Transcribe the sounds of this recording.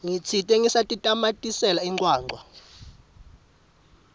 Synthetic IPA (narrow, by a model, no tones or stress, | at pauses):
ŋit͡sʰitʼɛŋisatʼitʼamatʼisɛlaiŋǃʼwaːŋ͡ǃʱwa